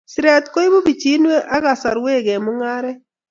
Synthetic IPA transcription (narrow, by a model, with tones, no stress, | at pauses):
sɾa˨t̪ko˦i˦bo˦bi˨t͡ʃi˦nwe˦ʔa˦ɣa˨sa˨ɾwe˦˨ɡe˨mʊ˦ŋa˦ɾɛ˦